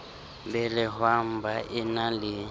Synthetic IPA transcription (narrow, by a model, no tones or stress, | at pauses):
bɛlɪhwam̩baʔɪnalɪ